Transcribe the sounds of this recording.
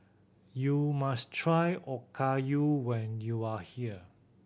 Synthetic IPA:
jumastʰɹajɔkʰajuwɛ̃njuahiə

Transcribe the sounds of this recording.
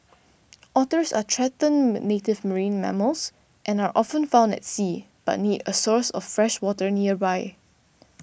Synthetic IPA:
ʔɔtəsa̰tʰɹɛtə̃nwɪtnetɪvməɹĩnmɛ̰məls | ʔɛ̃naɹʔɔfə̃nfãʊ̃ndɛ̰tsiː | b̥a̰t̚nitəsɔɹsɔffɹɛʃwɔtəɹniəbaɪ

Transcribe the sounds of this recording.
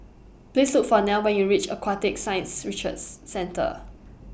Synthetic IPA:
plislʊkfɔnaʊwɛ̃njuɹit͡ʃə̰kwatɪk̚sãjə̃nsɹit͡ʃə̰dːɛ̃ntʰə̰

